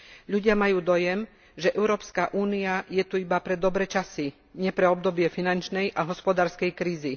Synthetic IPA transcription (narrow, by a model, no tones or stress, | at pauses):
ʎuɟɪamajuːd̪ɔjɛm | ʒɛʔɛʊɾɔːpskaʔuːniajɛt̪uibapɾɛd̪ɔbɾɛt͡ʃasi | ɲɛpɾɛɔb̚d̪ɔbɪɛfinant͡ʃnɛjʔaɦɔspɔd̪aːɾskɛjkɾiːzi